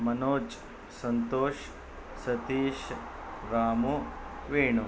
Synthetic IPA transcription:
mɐnoːt͡ʃ | sɐnt̪oːʃ | sɐt̪iːʃ | ɾaːmuʋeːɳu

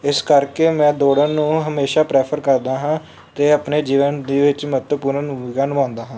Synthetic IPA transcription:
ɪskəɾkeːmɛ̃ːd̪oːɽənnũːɦəmeːʃaːpɾɛːpʰəɾkəɾd̪aːɦãː | t̪eːəpneːd͡ʒiːʋənd̪iːʋɪt͡ʃmət̪əpuːɾənɪɡaːnːãːnd̪aːɦãː

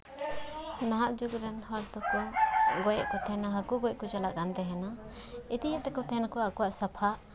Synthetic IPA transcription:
naɦaʔd͡ʒuɡɾɛnhɔɾt̪ɔkɔɡɔjɛʔkɔt̪ʰɛnaɦakuɡɔjɛʔkɔt͡ʃalaʔɡand̪ɛɦɛna | it̪ijaʔt̪ɛkɔt̪ʰɛnakɔakɔwaʔsapʰaʔ

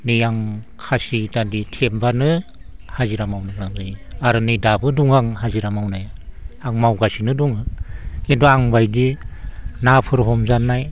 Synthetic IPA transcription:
nijaŋkʰasitaditʰembanɯ | haziɾamawnablaŋzajiaɾɯnidabɯduŋaŋhaziɾamawnajaaŋmawɡasinɯduŋɯkentɔaŋbajdi | napʰɯɾɦɔmzanːaj

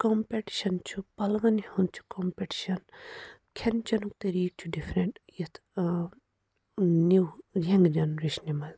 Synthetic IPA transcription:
kompeʈi̥ʃɐnt͡ʃʰupɐlɡɐnihunt͡ʃʰu̥kompeʈi̥ʃɐn | kʰent͡ʃɐnukt̪ɐɾiːk̚t͡ʃʰuɖifɾeɳʈjit̪ʰ | nuɾɐŋɡd͡ʒɐnɾiʃnimɐl

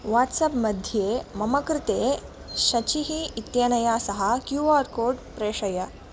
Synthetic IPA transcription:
ʋaʈsɐpmɐd̪ʱjemɐmɐkɾɪt̪e | ɕɐt͡ɕiɦiːt̪janɐjasɐɦakjuʋaːɾkoːɖpɾeːʂɐjɐ

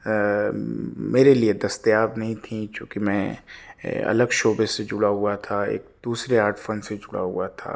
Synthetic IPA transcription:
meːɾelied̪ɐst̪jaːbnɐɦĩt̪ʰĩt͡ʃjõːkimɛ̃ | ɐ̰ləɡʃoːbesed͡ʒʊɽaɦʊat̪ʰaḛːk̚d̪uːsɾeaːɾʈfɐnsed͡ʒʊɽa̰ɦʊ̰at̪ʰa̰ː

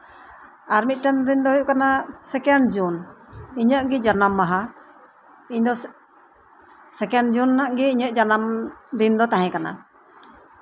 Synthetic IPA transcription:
aɾmit̪̚ʈɛnd̪ind̪ɔɦjuʔkanasɛkɛɳɖd͡ʒuniɲəʔɡid͡ʒaɾnamːaɦa | iɲd̪ɔ | sɛkɛɳɖd͡ʒunːaʔɡɛiɲəʔd͡ʒanamd̪ind̪ɔt̪ãɦɛ̃kana̰

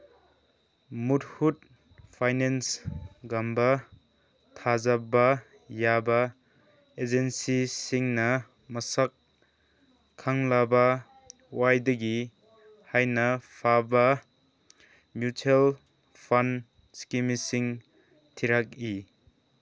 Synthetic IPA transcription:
mut̚hut̚ | pʰajnensɡambɐ | tʰazaba | jabɐ | ed͡ʒensisiŋnɐ | mɐsak | aŋlaba | wajdɐɡi | hajnɐpʰabɐ | mjutʰel | pʰan | skimisiŋ | tʰiɾak̚i

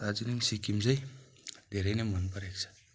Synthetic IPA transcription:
ad͡ʒiniŋsikimzaj | deɾajnemanpaɾeksḁ

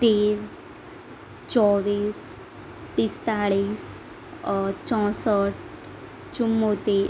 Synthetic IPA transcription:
t̪eːʋ | t͡ɕɔʋiːs | pist̪aɭiːs | t͡ɕɔ̃səʈ | t͡ɕumːot̪i

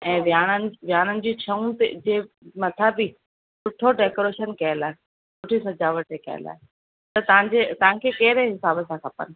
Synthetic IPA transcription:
ɛ̃ːʋjaːnənɪ̆ʋɪjaːnənɪ̆d͡ʑiːt͡ɕʰɐũt̪ed͡ʑeː | mɐt̪ʰabi | sʊʈʰoɖeːkoɾeːʃənkɐjəlaːɦe | sʊʈʰisɐd͡ʑaːʋəʈekɐ̰jə̰la̰ːɦe | t̪ɐt̪ɐʋ̤ãɲd͡ʑet̪ɐʋ̤ãkʰeːkɐɦɪɾeɦɪsaːbəsãkʰɐpə̰nɪ̆

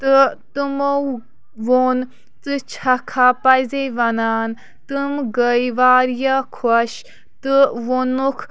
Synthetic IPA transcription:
t̪ɨt̪ɨmow | ʋon | t͡sɨt͡ʃʰɐkʰapɐjzejʋɐnaːn | t̪ɨmɡəjʋaːɾjɐkʰɔʃ | t̪ɨʋonukʰ

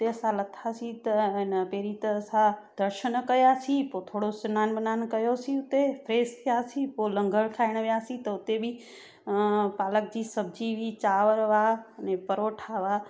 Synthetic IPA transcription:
ʊt̪eəsãlət̪ʰːasit̪ənəpeːɾit̪əːsãd̪̥əɾʃənkəjasipot̪ʰoːɽosɐnaːnbənaːnkəjosiʊt̪epʰɾeːst̪ʰijasipolə̃ŋɡəɭkʰaːɪɽ̃əʋjaːsĩt̪əʊt̪ebʱi | paːlək̚d͡ʑiːsəb̚d͡ʒiʋit͡ʃaːʋəɾʋaənepəɾoʈʰaʋa

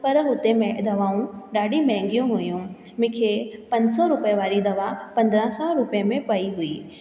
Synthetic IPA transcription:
pɐɾɦʊt̪emẽd̪ɐʋaːũɗaːɖimɛ̃ːŋɡijũɦʊjũ | mɪ̃kʰepɐ̃ɲd͡ʑsɔɾʊpeʋaːɾid̪ɐʋapɐ̃nd̪ɾãsɔɾʊpjəmẽpɐiɦʊiː

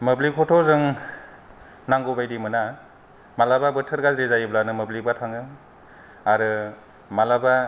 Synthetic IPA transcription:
mɯblikʰɔtʰɔzɯŋ | naŋɡobajdimɯna | malababɯtʰɯɾɡalzezajɯblanɯmɯblibatʰaŋɯ | aɾɯ | malaba

